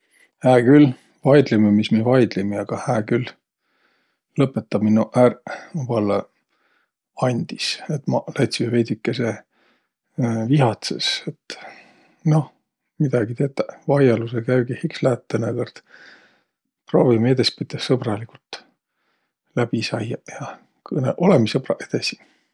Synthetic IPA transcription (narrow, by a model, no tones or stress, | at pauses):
hæːkyl | vɑjd̪̥lememismivɑjd̪̥limiɑɡ̥ɑhæːkyl | lɤpːˑet̪ːˑɑb̥minuʔærvɑlːe | ɑnʲd̪̥iset̪ːmɑlɑjt̪simvejd̪ikːese | viɦɑt̪sḛset̪ː | no̞h | mid̪̥ɑɡ̥it̪et̪ˑːɑvɑjɑlusekæjwɡihikslæːt̪ːenekord̪̥ | proːvimed̪̥espit̪ːɑssɤbrɑlikult̪ | læb̥isɑjːɑjɑ | kɤnḛʔo̞lemisɤbrɑ̰ʔed̪̥esi̥